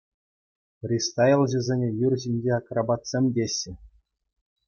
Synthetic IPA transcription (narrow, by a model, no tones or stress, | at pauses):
prʲist̪ɑjelˠʑɘ̆zʲenʲĕjyrʲʑinʲd͡ʑeɑkrɑbɑt̪sʲemʲdʲeɕːɘ̆